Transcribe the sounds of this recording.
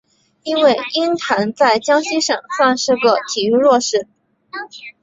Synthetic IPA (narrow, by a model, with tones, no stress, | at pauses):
i˥nwe˥˩ɪi˥nt̪ʰa˧˥nt͡sa˥˩ɪt͡ɕjɑ˥ŋɕi˥ʂɤ˨˩ŋsa˥˧nʂɻ̩˥˧ɡə˨˩t̪ʰi˨˩y˥˧ɻwɔ˥˧ʂɻ̩˥˩